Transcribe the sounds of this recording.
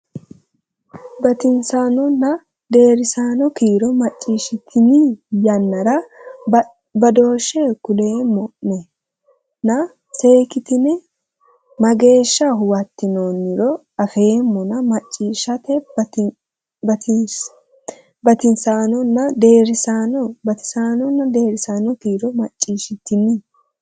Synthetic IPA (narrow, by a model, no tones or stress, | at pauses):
bɐt̪ɪnsaːnɔnːɐ | d̪e̞ːɾɪsaːnɔkiːɾɔmɐt͡ʃʼːiːʃɪt̪ʰɪnijɐnːɐɾɐ | bɐd̪o̞ːʃːeːkʊle̞ːmɔʔnɛ | nɐ | se̞ːkɪt̪ɪnɛ | mɐɡe̞ːʃːɐɦʊwɐt̪ːɪnoːnːɪɾɔ | ɐfe̞ːmːɔnɐmɐt͡ʃʼːiːʃɐt̪ɛ | bɐɪ | bɐt̪ɪnsaːnɔnːɐd̪eːɾɪsanɔbɐt̪ɪ̥saːnɔnːɐd̪e̞ːɾɪsaːnɔt̪iːɾɔmɐt͡ʃʼːiːʃɪt̪ːɪni